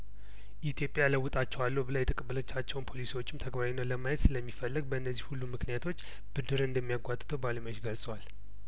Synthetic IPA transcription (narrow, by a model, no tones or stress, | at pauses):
ʔit̪ʰjo̞pʼjaləwʊt̪ʼat͡ʃːɛwalːəbəlajɛt̪ʰʼəkʼəbːələt͡ʃːat͡ʃːɛwnpʰo̞lisiwo̞t͡ʃːɪmt̪ʰəɡbaɾinːələmajɛt̪sɨləmːifəlːəɡ̚bəɨnːəzːihulːumɨknijat̪ʰo̞t͡ʃː | b̥ɨd̪ɨɾɨnd̪əmːijaɡʷat̪ʼɨ̥t̪ʰəwbaləmot͡ʃɡəlsʼəwal